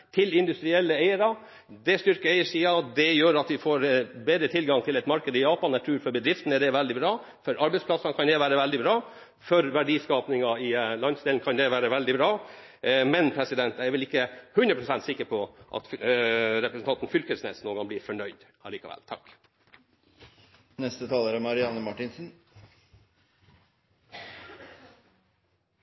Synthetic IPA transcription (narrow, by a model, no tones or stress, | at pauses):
t̪ʰɪlɪnd̪ʉst̪ɾɪɛlːəeɪəɾɑ | d̪ɛst̪ʏɾkəæɪəʂiːɑd̪ɛjøːɾɑt̪ʋɪfoːɾbeːd̪ɾət̪ʰɪlɡɑŋt̪ʰɪlɛt̪mɑɾkəd̪əɪjɑːpɑnːɛʈ̪ʰɾʉːɾfɔɾbəd̪ɾɪft̪n̩ɛɖ̪ɛʋæld̪ɪbɾɑː | fɔɾʔɑɾbɛɪspʰlɑsɑnkʰɑnd̪ɛʋæːɾəʋɛld̪ɪbɾɑː | fœɾʋæɖiːskɑːpnɪŋɑɪlɑnsd̪eːlnkʰɑnd̪ɛʋæːɾəʋɛld̪ɪbɾɑː | mɛnpʰɾɛsɪd̪ɛnt̪æɛɾʋɪlɪkːəhʉnd̪ɾəpʰɾʊsɛnt̪sɪkːəɾpʰɔʔɑ̰t̪fɾɛpɾəsn̩t̪ɑnt̪n̩fʏlkəsnḛsnuːnɡɑŋblɪːɾfɔɳœʏd̪ | ɑ̰liːkɑ̰ʋɛ̰lt̪ʰɑ̰k | nɛst̪ət̪ʰɑːləɾɔmɑɾɪɑnəmɑʈɪnsn̩